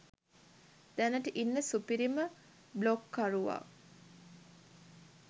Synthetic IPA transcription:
d̪̥ænəʈəʔinːəsupiɾimə | blokːaɾuʋa̰ː

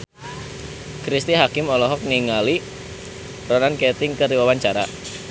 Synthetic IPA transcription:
kɾist̪iɦakɪmɔlɔɦɔk̚niŋali | rɔnanket̪ɪŋkəɾiwawaɲt͡ʃaɾa̰

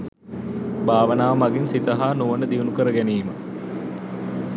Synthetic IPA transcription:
baːʋənaːʋmaɡinsit̪əɦaːnuʋənəd̪iʋunukəɾəɡæniːmə

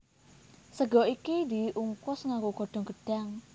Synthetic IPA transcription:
səɡɔ̤ikid̪iʔuŋkʊsŋakuɡ̥ɔ̤ɖ̥ɔ̤ŋɡ̥ə̤ɖ̥a̤ŋ

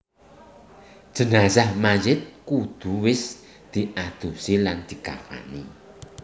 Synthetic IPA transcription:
d̥ʒ̥ə̤nasahmajɪt̪̚kud̪̥ṳwɪs | d̪̥i̤ʔad̪̥usiland̪̥i̤ka̰fa̰ni

